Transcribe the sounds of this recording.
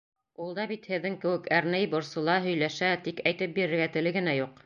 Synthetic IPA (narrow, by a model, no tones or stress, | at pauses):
ulˠd̪ɑbit̪hɘ̆ðːɘŋkɘ̆wɘkæɾnæjbŏɾsɤ̆lˠɑɦɵ̆jlæʃæt̪ikæjt̪ɘp̚biɾɘ̆ɾɡæt̪ɘ̆lɘɡɘ̆næjuq̚